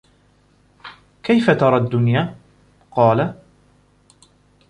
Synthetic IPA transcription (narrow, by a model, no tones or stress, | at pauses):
kajfat̪ɑɾˤɑʔd̪ːʊnjaː | qɑːla